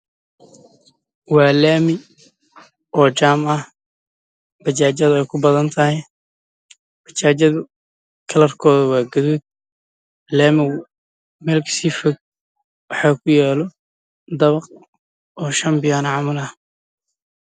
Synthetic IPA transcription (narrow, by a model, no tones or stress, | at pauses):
wɑːlaːmɪ | ɔːt͡ʃaːmɐh | b̥ɐt͡ʃaːt͡ʃɐðʊɛjkʰʊbɐðɐnt̪ʰɐhɛj | b̥ɐt͡ʃaːt͡ʃɐðʊ | kʰɐlɐrkʰɔːðɐwɑːɡɐðuːd̪̚ | laːmɪ | mɛlksiːfɔɡ̚ | wɑħɑːkʰʊjɛːlɔ | d̪ɐβɐq | ɔːʃɐmbɪjanɐʕɑmɐlɐh